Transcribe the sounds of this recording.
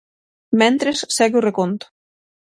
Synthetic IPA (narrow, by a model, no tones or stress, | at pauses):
mɛnt̪ɾesːɛɣurekont̪